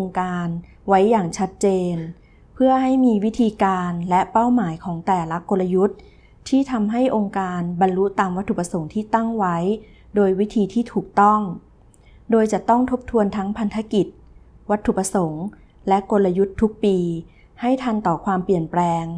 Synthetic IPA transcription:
ŋkaː˧n | wa˦˥jːaː˨˩ŋt͡ɕʰa˦˥t̪̚t͡ɕeː˧n | pʰɯ˥˩ɐha˥˩jmiː˧wi˦˥t̪ʰiː˧kaː˧nlɛ˦˥pa˥˩wmaː˩˦jkʰɔː˩˦ŋt̪ɛː˨˩la˦˥ko˧la˧ju˦˥t̪̚ʰː | iː˥˩t̪ʰa˧mɦa˥˩jʔo˧ŋkaː˧nba˧nlu˦˥t̪aː˧mwa˦˥t̪ʰːu˨˩pa˧so˩˦ŋt̪ʰiː˥˩t̪a˥˩ŋwa˦˥j | doː˧jwi˦˥t̪ʰiː˧t̪ʰiː˥˩t̪ʰuː˨˩k̚t̪ɔ˥˩ŋ | doː˧jt͡ɕa˨˩ʔt̪ɔ˥˩ŋt̪ʰo˦˥p̚t̪ʰu˧ənt̪ʰa˦˥ŋpʰa˧nt̪ʰa˧˦˥ki˨˩t̪̚ | wa˦˥t̪ʰːu˨˩pa˧so˩˦ŋ | lɛ˦˥ʔko˧nla˧ju˦˥t̪ʰːu˦˥k̚piː˧ | ha˥˩jt̪ʰa˧nt̪ɔː˨˩kʰwaː˧mpli˨˩ənplɛː˧ŋ

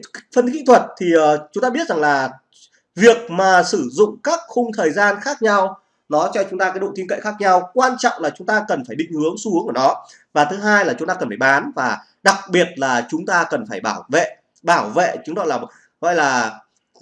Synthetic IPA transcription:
fə˧n˦ki˧˥t̪ʰwə˨˩t̚t̪ʰiː˨˩˨t͡ɕʊ˨˦ŋ͡mt̪aː˧ɓi˦˥ət̚za˨˩ŋlaː˨˩ | vi˨˩ək̚maː˨˩sɨ˧˩zʊ̰˧˨ŋ͡mkaː˦˥k̚xʊ˧ŋ͡mt̪ʰəː˨˩jzaː˧nxaː˦˥k̚ɲa˧w | nɔ˨˦t͡ɕɔ˧t͡ɕʊ˨˦ŋ͡mt̪aː˧kːaː˨˦ɗo̰˧˨t̪i˧ənkə̰˧˨jxaː˦˥k̚ɲa˧wkwaː˧nt͡ɕɔ̰˧˨wŋ͡mlaː˨˩t͡ɕʊ˨˦ŋ͡mt̪aː˧kə˨˩nfaː˧˩jɗḭ˧˨ŋ̟hɨ˨˦əŋsu˨˦əŋʔəː˧˩nɔ˨˦ | vaː˨˩t̪ʰɨ˨˦ɦaː˧jlaː˨˩t͡ɕʊ˨˦ŋ͡mt̪aː˧kə˨˩nfaː˧˩jɓaː˨˦nvaː˨˩ | ɗa˨˩k̚ɓi˨˩ət̚laː˨˩t͡ɕʊ˨˦ŋ͡mt̪aː˧kə˨˩nfaː˧˩jɓaː˧˩wvḛ˧˨ | ɓaː˧˩wvḛ˧˨t͡ɕʊ˨˦ŋ͡mɔ̰˧˨laː˨˩ | ɣɔ̰˧˨jlaː˨˩

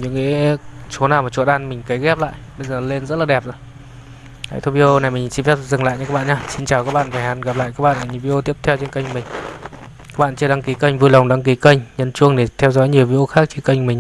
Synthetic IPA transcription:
ɲɨ̰˧˥ŋḛ˧˦t͡ɕo˨˦naː˨˩wmaː˨˩t͡ɕṵ˧˨tɗaː˧nmï˨˩ŋ̟kə˨˦jɣɛ˦˥p̚la̰ː˧˨jʔɓə˧jzəː˨˩le˧nzə˦˥t̚laː˨˩ɛ˨˩p̚zaː˧˩ | ha̰˧˦jt̪ʰo˧vi˧ʔo˧na˨˩jmi˨˩ŋ̟si˧nfzɨ˨˩ŋla̰ː˧˨ɲa˧aː˦˥kɓa̰ː˧˨ɲaː˧si˧nt͡ɕaː˨˩wkaː˦˥k̚ɓa̰ː˧˨vaː˨˩ha˨˦nɣa˨˩p̚la̰ː˧˨jkaː˦˥k̚ɓa̰ː˧˨na˨˩ɲi˨˩vi˧ʔo˧t̪i˦˥əp̚t̪ʰɛ˧wt͡ɕe˧nkə˧jŋkmï˨˩ŋ̟ | ka˦˥ɓa̰ː˧˨nt͡ɕi˧˩ɗaː˨˧˦ŋki˨˦kə˧jŋ̟vu˧lə˨˩wŋ͡mɗa˨˧˦ŋki˨˦kə˧jŋ̟ɲə˧˥nt͡ɕu˧əŋɗe˧˩t̪ʰɛ˧wzɔ̰˨˦jɲi˨˩əwvi˧ʔo˧xaː˦˥k̚t͡ɕe˧nkə˧jŋkmi̟˨˩

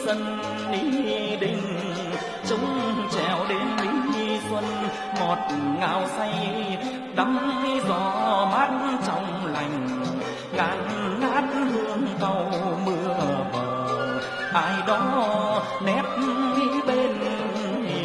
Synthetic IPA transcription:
sə˧n | ɗi˧˦ɗï˧˨˩ŋ̟ | t͡ɕʊ˨˦ŋ͡mt͡ɕɛ˧˩wɗe˨˦nmi˨˧˦swə˧n | mo˨˩t̚ŋa̰ː˧˩wsa˧j | ɗa˨˦ŋ͡mzɔ˧˩ma˦˥t̚nt͡ɕɔ˧wŋ͡m | la˨˩jŋ̟ | ɣaː˨˩n | naː˦˥t̚hɨ˧əŋk̪ə˧w | mɨ˧əɓəː˨˩ | ʔaː˨˧˩jɗɔ˨˦ | nɛ˦˥p̚ʔi˧˦ɓe˧n

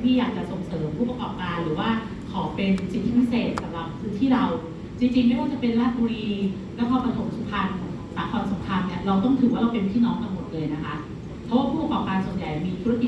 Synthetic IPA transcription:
mʰiː˥˩jaː˨˩k̚t͡ɕa˨˩so˨˩ŋsɤː˩˦mpʰuː˥˩pa˧kɔː˨˩p̚kaː˧nɾɯː˩˦waː˥˩ | kʰɔː˩˦pe˧nsi˨˩t̪ʰːi˧˥pʰi˦˥˩seː˨˩t̪̚sa˨˧˦mɾa˨˩p̚kʰɯː˧˦t̪ʰiː˥˩ɾa˧w | t͡ɕi˧ŋt͡ɕi˧ŋma˥˩jwaː˥˩t͡ɕa˨˩pe˧nlaː˥˩t̪̚buː˧ɾiː˧ | lɛ˦˥wkʰɔː˧˩pa˧t̪ʰo˨˩˦mt̪ʰuː˦˥kʰa˧n | saː˩˦kʰɔː˧nso˩˦mkʰa˧nːi˥˩ɐɾa˧wt̪ɔ˥˩ŋt̪ʰɯː˨˩˦waː˥˩ɾa˧wpe˧npʰiː˥˩nɔː˦˥ŋt̪a˧ŋmo˨˩t̪̚lɤː˧jna˦˥kʰa˦˥ʔ | pʰɔ˦˥waː˥˩pʰuː˥˩p̚a˧kɔː˨˩p̚kaː˧nsu˨˩ənja˨˩jmiː˧t̪ʰu˦˥a˥˧ki˨˩

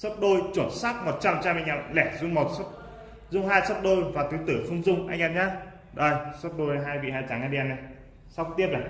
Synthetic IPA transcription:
sə˦˥p̚ɗo˧jt͡ɕo˧˩nsaː˦˥k̚mo˨˩t̚t͡ɕa˧mt͡ɕa˧mʔa˧ŋ̟ʔɛ˧mlɛ˧˩zʊ˧ŋ͡mmo˨˩t̚sə˦˥p̚ | zʊ˧ŋ͡mhaː˧jsə˦˥p̚ɗo˧jvaː˨˩t̪ɨ˨˦jt̪ɨ˧˩fʊ˧ŋ͡mzʊ˧ŋ͡mʔa˧jŋ̟ʔɛː˧mɲaː˧ | ɗo˨˧˩jsə˦˥p̚ɗo˧jɦaː˧jbḭ˧˨haː˧jt͡ɕa˨˦ŋʔa˧ɗi˧ɛ˧˩na˧˩ | sa˦˥k͡pt̪i˦˥əp̚la˨˩

